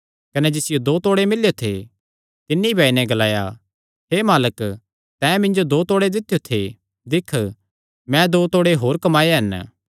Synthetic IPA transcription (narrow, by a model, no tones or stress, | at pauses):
kɐnɛd͡ʒɪsɪjod̪oːt̪oːɽemɪljot̪ʰḛ | t̪ɪnːiibʱaːinɛ̃ɡɐlaːja̰ | ɦeːmaːlək | t̪ɛ̃ːmɪ̃ɲd͡ʒod̪oːt̪oːɽed̪ɪt̪ʰːjot̪ʰḛ | d̪ɪkʰ | mɛ̃d̪oːt̪oːɽeɦoːɾkɐmaːjeɦɛn